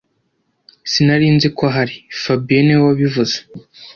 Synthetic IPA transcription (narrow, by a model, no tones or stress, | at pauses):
sinaɾiːnzikaɦaɾifabienewaβivuze̥